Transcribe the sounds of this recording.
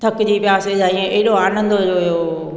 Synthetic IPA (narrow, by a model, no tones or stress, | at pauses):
t̪ʰɐkd͡ʑiːpɪjaːsed͡ʑaːĩẽʔeɦɪɗoaːnə̃nd̪od͡ʒoːijoː